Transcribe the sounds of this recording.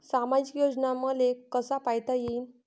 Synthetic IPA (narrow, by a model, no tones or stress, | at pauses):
samad͡ʑikjod͡znaməlekəsapajt̪ajein